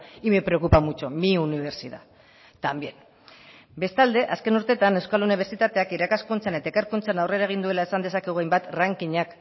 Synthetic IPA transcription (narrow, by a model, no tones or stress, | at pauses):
imepɾe̞o̞kupamut͡ʃomiuniβ̞e̞ɾsiða̰ | t̪ambje̞n | be̞st̪ald̪e̞ʔaske̞nuɾt̪e̞t̪ane̞wskaluniβ̞e̞ɾsit̪at̪eakiɾakaskunt͡sane̞t̪aekaɾkunt͡sanawre̞ɾaeɣ̞ind̪ue̞lae̞sand̪e̞sakeɣuajmbat̪raŋkiɲak